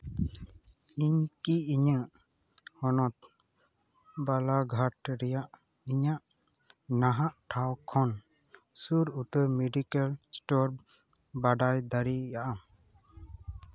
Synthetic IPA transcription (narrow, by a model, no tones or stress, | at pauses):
iɲkiiɲəʔ | hɔnɔt̪̚ | balaɡʱaʈɾɛjaʔ | iɲaʔ | naɦaʔʈʰawkʰɔn | suɾut̪əmɛɖikalsʈɔɾ | baɖajd̪aɾijaʔam